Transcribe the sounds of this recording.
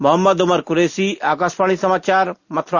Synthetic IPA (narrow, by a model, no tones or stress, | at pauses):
mʊɦɐmːəd̪ʊmɐɾkʊɾeːsiaːkaːspaːɽ̃isɐmaːt͡ʃaːɾmɐt̪ʰɾ